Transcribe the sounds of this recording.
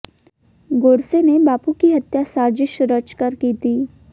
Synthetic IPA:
ɡoɾsenebapukiɦət̪jasaɾd͡ʑiʃɾət͡ʃkəɾkiːt̪iː

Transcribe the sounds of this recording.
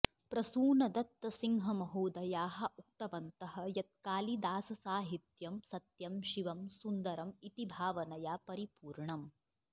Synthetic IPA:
pɾɐsuːnɐd̪ɐt̪ɐsiŋɦɐmɐɦuːd̪ɐjaːɦɐʔuk̚t̪ɐʋɐnt̪ɐɦɐ̆jɐt̪̚kaːlid̪aːsɐsaːɦit̪jɐmsɐt̪jɐmʃiʋɐmsund̪ɐɾɐmit̪ibʱaːʋɐnɐjaːpɐɾipuːɾɳɐm

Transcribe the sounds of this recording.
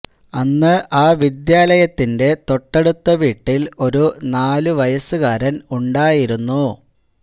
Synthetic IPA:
ɐnːɨʔaːʋid̪jaːlɐjɐt̪ːinde̞t̪o̞ʈːeɽut̪ːɐʋiːʈːilo̞ɾunaːluʋɐjɐsuɣaːɾɐnuɳɖaːjiɾunːu

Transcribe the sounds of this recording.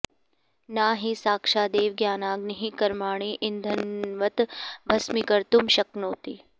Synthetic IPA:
naːɦisaːkʃaːd̪eːʋɡjaːnaːɡniɦikɐɾmaːɳ̃iːʔɪnd̪ʱɐnʋɐt̪bʱɐsmikɐɾt̪umʃɐknoːt̪iː

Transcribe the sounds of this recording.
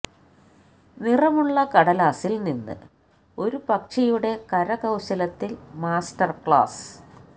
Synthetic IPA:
nirɐmuɭːɐkɐɽɐlaːsilninːɨ̰ | o̞ɾupɐkʂɐjuɽe̞kɐɾɐɣɐwɕɐlɐt̪ːilmaːstɐrkɭa̰ːs

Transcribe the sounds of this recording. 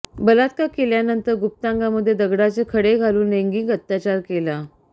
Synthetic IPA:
bəlat̪kakeljanənt̪əɾɡup̚t̪aŋɡaməd̪ʱːjed̪əɡɽat͡sekʰəɽeɡʱaluːnːeŋɡiŋɡət̪ːjat͡ɕaɾkela

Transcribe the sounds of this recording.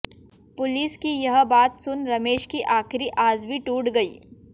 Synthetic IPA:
pʊliːskijɐɦbaːt̪sʊnɾɐmeːʃkiʔaːxɪɾiʔaːzbiʈuːʈɡɐiː

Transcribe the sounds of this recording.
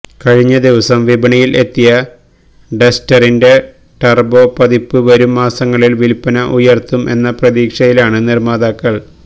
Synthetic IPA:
kɐɻiɲːɐd̪iʋɐsɐmʋibɐɳijile̞t̪ːijɐ | ɖestɐrinde̞ | ʈɐrbo̞pɐðipːɨʋɐɾumːaːsɐŋːɐɭilʋilpːɐnɐʔujɐrt̪ːumʔe̞̰nːɐprɐðiːkʂɐjilaːɳɨnirmaːd̪aːkːɐɭ

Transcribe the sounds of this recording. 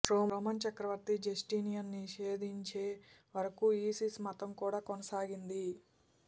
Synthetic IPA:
ɾoːmoːmɐnt͡ʃɐkɾɐʋɐɾt̪id͡ʒesʈinijɐnːiʃeːd̪ʱiɲt͡ʃe̞ːʋɐɾɐkuiːsismɐt̪ɐmkuːɽaːkɔnɐsaːɡind̪i

